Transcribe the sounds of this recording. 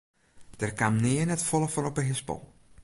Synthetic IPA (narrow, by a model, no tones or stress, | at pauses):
d̥ɛrkamnɪənɛtfɔlˠəfɔnɔpəɦɪspɔ̰l